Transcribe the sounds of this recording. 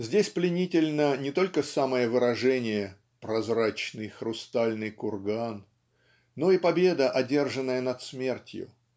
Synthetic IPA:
zʲdʲesʲplʲɪnʲitʲɪlʲnənʲɪt̪o̞lʲkəsaməjəvɨɾɐʐɛnʲɪjə | pɾɐzɾat͡ɕnɨjxɾʊst̪alʲnɨjkʊrɡanː | o̞ipɐbʲe̞d̪əʔɐdʲe̞rʐɨnːəjənɐt̪smʲe̞rtʲjʊ̰

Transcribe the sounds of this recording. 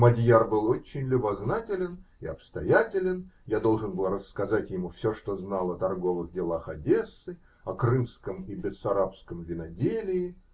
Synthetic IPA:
mɐdʲjarbɨlˠot͡ɕːɪnʲlʲʊbɐznatʲɪlʲɪnɪɐ̰pst̪ɐjatʲɪlʲɪnjad̪o̞lˠʐɨnbɨlˠrəskɐzatʲjɪmufsʲoʂt̪oznalˠəɐt̪ɐrɡo̞vɨɣdʲɪlˠaxɐdʲesːɨ | ɐkrɨmskəmibʲɪsɐɾapskəmvʲɪnɐdʲelʲɪɪ

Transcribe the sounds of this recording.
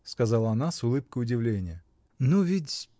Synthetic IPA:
skɐzɑlˠəɐnasʊlˠɨp̚kəjʊdʲɪvlʲenʲɪjə | nuvʲitʲ

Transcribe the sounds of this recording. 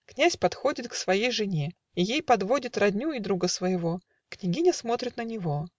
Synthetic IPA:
knʲæsʲpɐt̪xo̞dʲɪt̪ksvɐjejʐɨnʲe | ijejpɐd̪vo̞dʲɪt̪rɐd̪ʲnʲuɪd̪ɾuɡəsvəjɪvo̞ | knʲɪɡʲinʲəsmo̞t̪ɾʲɪt̪nənʲɪvo

